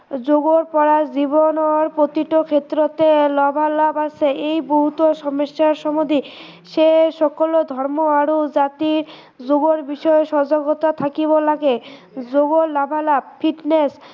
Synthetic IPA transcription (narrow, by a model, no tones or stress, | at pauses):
d͡ʑoɡoɾpɔɾad͡ʑibonoɾpɾot̪iʈokʰet̪ːɾot̪elɔbʱalabasʰeʔejboɦut̪oʃɔmoʃːaɾʃɔmod̪ʱi | ʃeʃɔkolod̪ʱɔɾmoaɾod͡ʑat̪iɾ | d͡ʑoɡoɾbiʃɔeʃɔd͡ʑoɡot̪at̪ʰakibolːake | d͡ʑoɡoɾlɔbʱalab̚fʰiʈnes